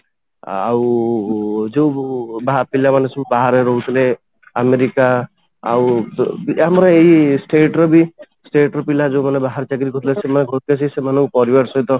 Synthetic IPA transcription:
a̰w | d͡ʒewbapilamanesʰɔbaɦaɾeɾɔɦut̪ʰile | ameɾika | a̰wiamɾɔejsʈeʈɾɔbi | sʈeʈɾɔpilad͡ʒewmanebaɦaɾt͡ʃaɡɾikɔt̪ʰlesemaneɡʱɔt̪̚ʰikasʰisemanɔwpɔɾibaʈsɔjt̪ɔ

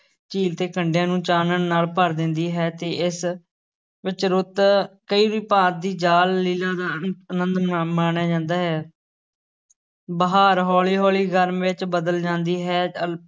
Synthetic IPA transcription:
t͡ʃiːlt̪eːkʰəɳɖjãːnũːt͡ʃaːnənːaːlpəɾd̪ɪ̃nd̪iːɦɛːt̪eːʔɪs | ʋɪt͡ʃɾʊt̪kəiːʋiːpãːt̪̚d̪iːd͡ʒaːlːiːlãːd̪aːənə̃nd̪aːmaːnjaːd͡ʒãːnd̪aːɦɛː | bəɦaːɾɦɔːliːɦɔːliːɡəɾmʋɪt͡ʃbəd̪əld͡ʒãːnd̪iːɦɛːə

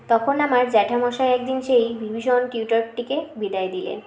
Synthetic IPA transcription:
t̪ɔkʰonamaɾd͡ʑɛʈʰamɔʃaeɛk̚d̪inʃejbʱibʱiʃonʈiuʈoɾʈːikebid̪ajed̪ilḛn

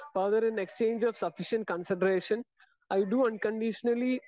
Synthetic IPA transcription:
fəɾd̪əɾɛ̃nekst͡ʃẽːnd͡ʒɔʋsɐfɪʃə̃ɳʈ̚kə̃nsɪɖəɾeːʃə̃n | ʔaɪɖuːɐ̃nkə̃ɳɖɪʃənəli

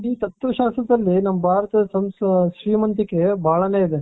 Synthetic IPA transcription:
iːt̪ɐt̪ɾɐʃaːsɾɐd̪ɐlːinɐmːɐbʱaːɾɐt̪ɐɐsɐmst̪ʰɐʃɾiːmɐnt̪ikːebʱaːɭɐne̞ːid̪e

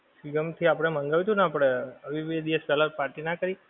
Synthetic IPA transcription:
siɡəmt̪ʰiapɽ̃emə̃ŋɡaʋit̪ʰũnaːpəɽeəʋiʋed̪iʋəspɛlaɾpaɾʈinakəɾi

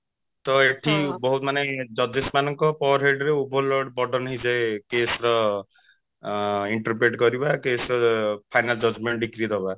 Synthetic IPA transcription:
t̪ɔeʈʰibɔɦut̪maned͡ʒɔd̪esmanɔŋkɔpɔwɔɾɦeɖɾeubʱɔlɔɽbɔɖɔnɦĩd͡ʒejkesɾɔ | iɳʈɔɾpɾeʈɡɔɾibakesɾɔpʰajnald͡ʒɔd͡ʒmeɳʈɖikɾiɾɔba

